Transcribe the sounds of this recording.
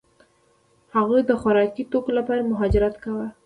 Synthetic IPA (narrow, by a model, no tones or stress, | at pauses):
haɣəd̪əxʊɾɑkit̪okolapɑɾamʊɦɑd͡ʒɪɾat̪kawa